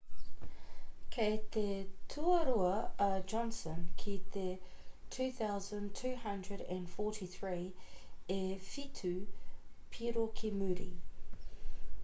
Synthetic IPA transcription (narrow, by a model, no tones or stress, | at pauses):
kʰet̪ʰetʰuəɾuɐəd͡ʒɔ̃nsə̃nkʰit̪ʰe | tʰʉːθaʊzə̃ntʰʉːhɐ̃ndɹəɾæ̃nfɔˑɾʰiθɹiːefitʰʉ | pʰiɾokʰimʉɾḭ